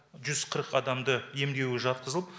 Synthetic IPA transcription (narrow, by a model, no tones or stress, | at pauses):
ʒʏz̥qʰəɾəqɑd̪ɑmd̪əje̞md̪e̞wɪʒɑt̪̚qəzəəp